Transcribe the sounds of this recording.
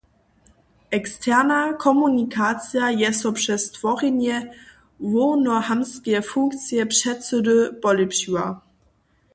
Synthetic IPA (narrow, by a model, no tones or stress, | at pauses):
ʔɛkstʰɛʁnakʰɔmunikʰat͡sjajɛsɔpʂɛstv̥ɔʁinjɛ | vonɔhamskɛfuŋkt͡sjɛpʂɛtsədøb̥ɔlepɕua